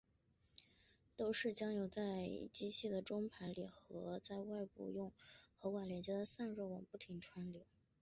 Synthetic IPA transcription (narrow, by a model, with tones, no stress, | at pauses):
t̪o˥ʊʂɻ̩˥˩t͡ɕjɑ˥ŋjo˨˩ʊt͡sa˥˩ɪt͡ɕi˥t͡ɕʰi˥˩d̪ə˩ʈ͡ʂʊ˥ŋpʰa˧˥nlḭ˨˩xɤ˧˥t͡sa˥˧ɪwa˥˧ɪpṵ˥˧jʊ˥˩ŋxɤ˧˥wa˨˩ljɛ˧˥nt͡ɕjɛ˧˥d̪ə˨sa˥˧nɻo˥˩ʊwɑ˨˩ŋpu˥˩t̪ʰi˧˥ŋʈ͡ʂʰwa˧˥nljo˧˥ʊ